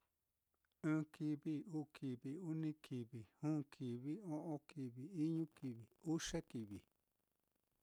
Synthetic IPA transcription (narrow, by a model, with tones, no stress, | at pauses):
ɨ̃ː˦ki˧βi˦uː˦˨ki˨βi˨u˦nĩ˦kʰi˨βi˨hũː˦kʰi˨βi˦õ˦ʔõ˧ki˨βi˨i˦ɲũ˦ki˧βi˨u˦ʃe˦ki˨βḭ˨